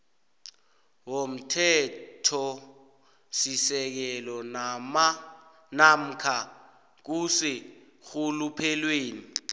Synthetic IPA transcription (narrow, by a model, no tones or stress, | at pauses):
wom̩tʰɛtʰɔ | sisɛk̬ɛlɔn | nam̩kʰa | k̬usɪ | xulupʰɛlweːni